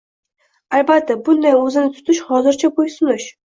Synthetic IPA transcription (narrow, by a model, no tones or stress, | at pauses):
albat̪ʰːabʊnd̪ajɵzɪnɪt̪ʰʊ̥t̪ʰɪʃhɒzɪɾt͡ʃʰabojsʊnɪʃ